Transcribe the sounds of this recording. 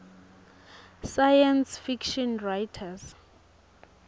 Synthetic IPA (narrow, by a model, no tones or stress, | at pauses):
sajansfikʃɔnrajtʰas